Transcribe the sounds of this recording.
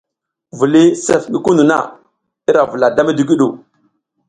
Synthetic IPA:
vu˨li˦se˨fɡi˨ku˦nu˨na̰˦ | i˦ɾa˨vu˨la˨da˦mi˦di˦ɡi˦ɗu˨

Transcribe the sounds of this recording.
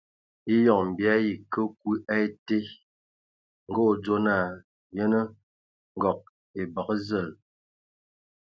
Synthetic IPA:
i˦jɔ˨ŋm̩˨bi˨a˦ji˨kə˦k̚wi˦ʔa˦e˦te˦ | ŋ̩˦ɡo˦˨d͡zo˦na˨ | jə˦nə˦ | ŋ̩˨ɡɔ˨k̚ | e˨ba˨kə˦zə˨l

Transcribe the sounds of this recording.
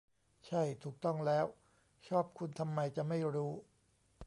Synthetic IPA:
t͡ɕʰa˥˩jt̪ʰuː˨˩k̚t̪ɔ˥˩ŋlɛː˦˥w | t͡ɕʰɔː˥˩p̚kʰu˧nt̪ʰa˧mːa˧jt͡ɕa˨˩ma˥˩jɾuː˦˥

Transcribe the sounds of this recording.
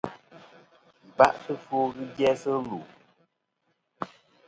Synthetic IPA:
ba˦ʔtɨ˦fuː˦ɣɨ˦bjɛ˦sɨ˦lu˨

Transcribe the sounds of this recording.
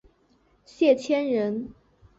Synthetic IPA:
ɕjɛ˥˩t͡ɕʰjɛ˥nɻə˧˥n

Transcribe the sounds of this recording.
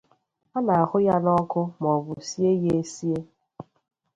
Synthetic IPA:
a˦na˨a˨hʊ˦ja˦nɔ˦kʊ˦mɔ˨bʊ˨si˦e˦je˦e˦si˦e˦

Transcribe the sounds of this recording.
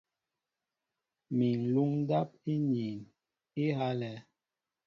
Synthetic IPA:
mi˨n˨lu˦ŋ˦da˦p̚i˦ɲi˨n | i˦ha˦lɛ˨˦

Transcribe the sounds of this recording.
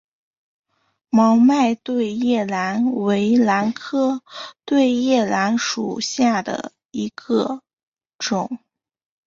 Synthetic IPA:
mɑ˧˥ʊma˥˧ɪt̪we˥˧ɪjɛ˥˩la˧˥nwe˧˥ɪla˧˥nkʰɤ˥˧t̪we˥˧ɪjɛ˥˩la˧˥nʂṵ˨˩ɕja˥˩d̪ə̰˩ | i˧˥ɡ̥ə˧ | ʈ͡ʂʊ˨˩˦ŋ

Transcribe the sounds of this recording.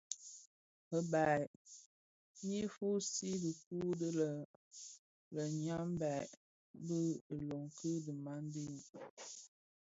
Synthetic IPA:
ə˦ba˨ | mi˦fu˦si˦bə˨ku˦də˦lə˨ | lə˨ɲa˦m˦ba˨ | bə˦˨lo˨ŋkə˦də˨ma˦n˦di˦n

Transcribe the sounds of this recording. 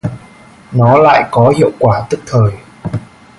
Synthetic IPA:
nɔ˨˦la̰ː˧˨jkɔ˨˦hḭ˧˨əwkwaː˧˩t̪ɨ˦˥k̚t̪ʰəː˨˩j

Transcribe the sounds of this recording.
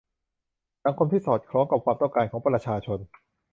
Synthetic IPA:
sa˩˦ŋkʰo˧mt̪ʰiː˥˩sɔː˨˩t̪̚kʰɾɔː˦˥ŋka˨˩p̚kwaː˧mt̪ɔ˥˩ŋkaː˧nkʰɔː˩˦ŋpɾa˧t͡ɕʰaː˧t͡ɕʰo˧n

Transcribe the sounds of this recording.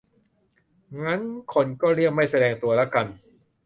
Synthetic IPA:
ŋa˦˥nkʰo˧nkɔː˥˩ɾi˥˩ək̚ma˥˩jsa˧dɛː˧ŋt̪u˧ɐla˦˥ka˧n

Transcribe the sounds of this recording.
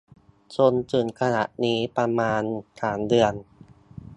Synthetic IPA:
t͡ɕo˧nt͡ɕɯː˨˩nkʰa˧na̰˨˩ʔniː˦˥pa˧maː˧nt̪ʰaː˩˦ndɯ˧ən

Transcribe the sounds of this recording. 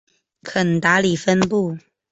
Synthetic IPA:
kʰə˨˩nt̪a˧˥˦li˨˩fə˦npu˥˩

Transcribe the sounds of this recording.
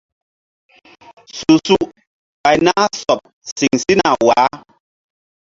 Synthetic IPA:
su˨su˦ʔ | pa˨jna˦sɔ˨p̚ | si˨ŋsi˦na˨wa˨˦

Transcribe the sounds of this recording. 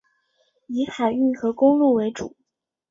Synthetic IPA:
i˧˥xa˨˩ɪy˥˩xɤ˧˥kʊ˥ŋlu˥˩we˧˥ɪʈ͡ʂṵ˨˩˦

